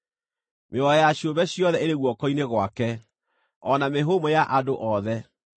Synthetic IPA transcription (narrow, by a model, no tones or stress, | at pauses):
meɔɛjaɕioβɛɕjɔðɛeɾeɣwɔkɔineɣwakɛ | ɔnameɦomɔjaʔadoʔɔðɛ